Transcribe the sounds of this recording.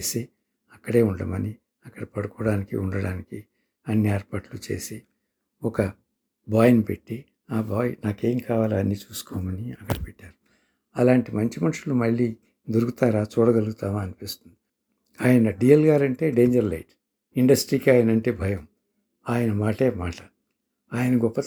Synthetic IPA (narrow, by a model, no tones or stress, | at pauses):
t͡ʃeːsi | ɐkːɐɽe̞ːuɳɖɐmɐni | ɐkːɐɽɐpɐɽukɔːɽaːnikḭuɳɖɐɽaːniki | ɐnːiaːɾpaːʈlut͡ʃe̞̰ːsi | ɔkɐ | baːjnipeʈːi | aːbaːjnaːkeːmkaːʋaːlaɐnːiːt͡ʃuːsu̥kɔːmɐniɐkːɐɽɐpeʈːaːɾu | ɐlaːɳʈimɐɲt͡ʃimɐnuʂulumɐɭːiː | d̪oɾuɡut̪aːɾaːt͡ʃuːɽɐɡɐluɡut̪aːmaːnipiːst̪und̪i | aːjɐnɐɖijɐlɡaːɾɐɳʈe̞ːɖe̞ːɲd͡ʒɐɾlɐ̰jʈ | iɳɖɐsʈɾiːkiaːjɐnɐɳʈe̞ːbʱɐjɐm | aːjɐnɐmaːʈe̞ːmaːʈɐ | aːjɐnɐɡɔpːɐ